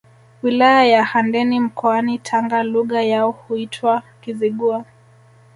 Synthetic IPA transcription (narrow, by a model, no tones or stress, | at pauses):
wilajajahandɛnim̩kʰɔanitʰaŋɡaluɣajaɔhuitʰwakiziɠua